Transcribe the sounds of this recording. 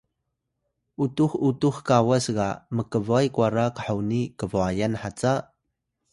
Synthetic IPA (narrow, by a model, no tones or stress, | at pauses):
ʔutuxutuxkawasɡaməkəvuajkwaɾakə̥ħawnikəvuajanħat͡sa